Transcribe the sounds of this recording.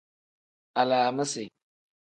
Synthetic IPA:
a˨laː˨ma˦se˨

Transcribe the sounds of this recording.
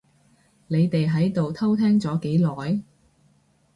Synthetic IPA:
ne˨˧jt̪e˨jɦɐ˨˥jt̪o˨wt̪ʰɐ˥wt̪ʰɛː˥ŋt͡sɔː˨˥ke˨˥jlɔː˨j

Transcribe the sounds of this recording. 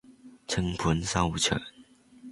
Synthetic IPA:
t͡sʰə˧˥ŋpʰə˨˦nsa˥u˨˩t͡ɕʰə̰˨˦n

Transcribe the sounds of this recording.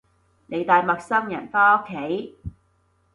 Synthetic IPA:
ne˨˧jt̪aː˨jmɐ˨k̚sɐ˥ŋjɐ̰˨˩nfaː˥o˥kʰːe˨˥j

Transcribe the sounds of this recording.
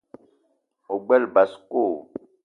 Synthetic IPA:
o˨ɡ͡bɛ˦lba˨sko˦˨

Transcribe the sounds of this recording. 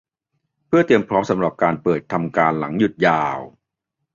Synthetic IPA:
pʰɯ˥˩ɐt̪i˧əmpʰɾɔː˦˥msa˩˦mɾa˨˩p̚kaː˧npɤː˨˩t̪ʰːa˧mkaː˧nla˩˦ŋju˨˩t̪̚jaː˧w

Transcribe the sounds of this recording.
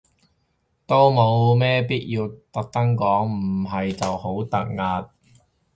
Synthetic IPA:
t̪o˥wmo˨˧wmɛː˥piː˥t̚jiː˧wt̪ɐ˨k̚t̪ɐ˥ŋkɔː˨˥ŋm̩˨˩ɦɐ˨jt͡sɐ˨who˨˥wt̪ɐ˨k̚ŋaː˧t̚

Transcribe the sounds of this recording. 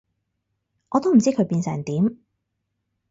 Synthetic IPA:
ʔɔː˨˧t̪o˥wm̩˨˩t͡siː˥kʰɵ˨˧ɥpiː˧nsɛ̰˨˩ŋt̪iː˨˥m

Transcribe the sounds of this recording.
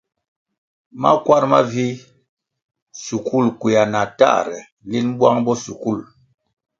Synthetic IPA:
ma̰˦kwa˦ɾma˦vi˦ | su˨kʰu˦˨lkwi˨a˨na˨ta̰˦˨ɾɛ̰˨ | li˦n˦bwa˦ŋbɔ˦su˨ku˦˨l

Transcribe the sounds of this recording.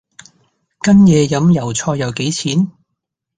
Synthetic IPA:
kɐ˥njɛː˨˧jɐ˨˥mjɐ˨˩wt͡sʰɔː˧jɐ˨˧wke˨˥jt͡sʰiː˨˥n

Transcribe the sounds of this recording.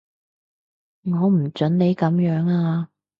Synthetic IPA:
ŋɔː˨˧m̩˨˩t͡ʃɵ˨˥nne˨˧jkɐ˨˥mjœː˨˥ŋaː˧

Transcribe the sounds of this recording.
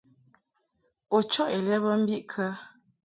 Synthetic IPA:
o˨t͡ʃɔ˦ʔe˨lɛ˦bə˦m̩˦bi˦ʔkʰa˦

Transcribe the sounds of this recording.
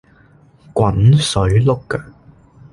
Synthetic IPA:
kwɐ˨˥nsɵ˨˥ɥlʊ˥kːa˧

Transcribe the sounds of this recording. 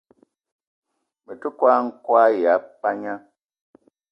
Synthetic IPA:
mə˨tu˦kwa˦ŋ̩˦kwa˦ja˨˦k͡pa˦ɲa˦

